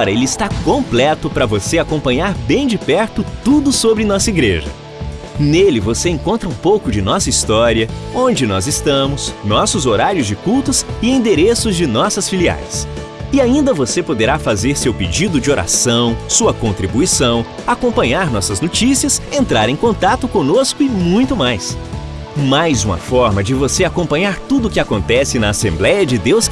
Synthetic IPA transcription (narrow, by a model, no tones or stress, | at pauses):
ɔɾɐelɪɪst̪akõmplɛt̪ʊpɾɐvoseakõmpɐ̃ɲaɾbẽj̃d͡ʒɪpɛɾt̪ʊt̪ud̪ʊsobɾɪnɔsɐiɡɾḛʒɐ̰ | nelɪvoseẽkõnt̪ɾɐũpowkʊd͡ʒɪnɔsɐist̪ɔɾiɐõd͡ʒɪnɔzɪst̪ɐ̃mʊsnɔsʊzoɾaɾjʊzd͡ʒɪkuwt̪ʊzɪĩd̪eɾesʊzd͡ʒɪnɔsɐsfilia̰js | ɪaĩnd̪ɐvosepod̪eɾafazeɾsewped͡ʒid̪ʊd͡ʒɪoɾʔa̰sɐ̃w̃suɐkõnt̪ɾibuisɐ̃w̃akõmpɐ̃ɲaɾnɔsɐznot͡ʃisiɐsẽnt̪ɾaɾẽj̃kõnt̪at̪ʊkõnoskʊɪmũj̃t̪ʊmajs | majzũmɐ̰fɔɾmɐd͡ʒɪvoseakõmpɐ̃ɲaɾt̪ud̪ʊkɪakõnt̪ɛsɪnɐːsẽmblɛjɐd͡ʒɪd̪ews